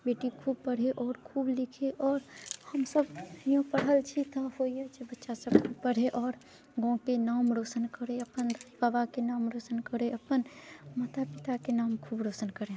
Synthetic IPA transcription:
beːʈikʰuːb̚pəɽ̤eʔɔːɾkʰuːblɪkʰeʔɔːɾhəmsəbjõpəɽ̤ɦəlt͡ʃʰit̪ʰahoiat͡ʃʰebətːʃasəb̚kʰubpəɽ̤eʔɔːɾ | ɡõkenaːmɾoːsənkəɾeɐpənd̪babakenaːmɾoːsənkəɾeɐpənmət̪ʰapɪt̪akenaːmkʰuːbɾoːsənkəɾẽ

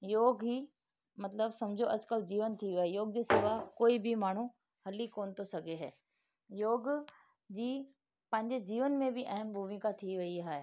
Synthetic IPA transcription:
joːɡɦiː | mɐt̪ləbsɐ̃md͡ʑʱoʔɐd͡ʑkəld͡ʑiːʋənt̪ʰiaːɦejoːɡ̚d͡ʑeːsɪʋakoːibʱɪmaːɳ̤ũ | hɐlikoːnɪt̪ʰosɐɡʱeɦɛː | joːɡ | d͡ʑiː | pɐ̃ɦɪ̃ɲd͡ʑed͡ʑiːʋənmẽbɪʔɐɦəmbʱumikat̪ʰiʋɐiaːɦe

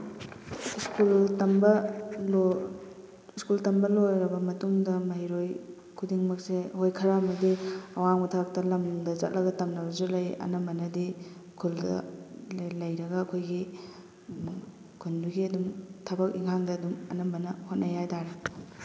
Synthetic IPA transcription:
iskultɐmbɐlo | skultɐmbɐlojɾɐbɐmɐtuŋdɐmɐɦiɾoj | kʰudiŋmɐk̚sehojkʰɐɾamɐdiɐwaŋbɐtʰɐbɐk̚tɐlɐmdɐza̰t̚lʔɐɡɐtɐmnɐbɐzulɐjɐ̰nɐmbɐnɐdi | skʰuldɐ̰ | lɐjɾɐɡɐːkʰojɡi | kʰunduɡiɐdumtʰɐbɐkiŋhaŋdɐːdumɐnɐmbɐnɐhot̚nɐjajtaɾe

